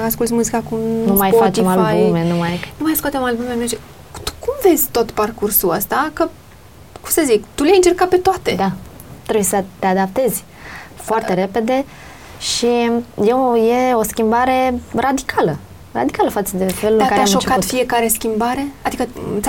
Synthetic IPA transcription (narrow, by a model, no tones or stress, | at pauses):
askult̪smuzikakumnumajfatt͡ʃemalaumenumajnumajskoat̪emalbumenet͡ʃe | t̪u̥kumve̞zʲt̪o̞t̪parkursuəst̪akə | kumsəzikt̪uljajɨnt͡ʃe̞rkat̪̚pet̪oat̪ed̪a | t̪ɾebujesət̪e̞ad̪ap̚t̪e̞z̥ʲ | foartt̪e̞ɾe̞pe̞d̪e̞ | ʃijeje̞o̞skʲimbaɾe̞ɾad̪ikʰalə | ɾa̰d̪ikaləfat̪səd̪e̞fe̞lulɨŋakaɾeamʃot͡ʃkatt̪fie̞kaɾe̞skʲimbaɾe̞ad̪ikəa